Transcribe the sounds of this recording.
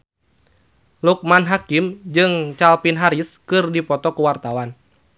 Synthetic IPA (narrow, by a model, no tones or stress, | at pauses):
luk̚manɦakimd͡ʒɨŋt͡ʃalpinɦaɾiskɨrdipɔt̪ɔkuwart̪awan